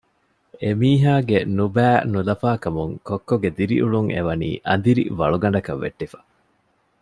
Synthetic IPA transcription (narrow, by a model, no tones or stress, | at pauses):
emiːɦaːɡenubæːnulɐfaːkɐmuŋkokːoɡed̪iɾḭʔuɭuŋḛʋɐnḭːʔɐnd̪iɾḭʋɐɭuɡɐɳɖɐkɐʋːḛʈːifɐ̥